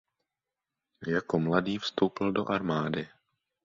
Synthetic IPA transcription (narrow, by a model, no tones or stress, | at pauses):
jako̞mladiːfst̪owpɪldo̞̰ʔaɾmaːdɪ